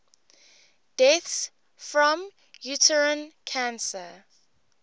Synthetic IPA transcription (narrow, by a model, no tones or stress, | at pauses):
d̥ɛθs | fɹɔ̃m | jutʰəɹə̃nkʰãnsə